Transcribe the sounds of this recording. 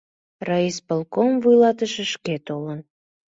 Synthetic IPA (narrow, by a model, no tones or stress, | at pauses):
rɑispəlkomvujlɑt̪əʃeʃket̪olən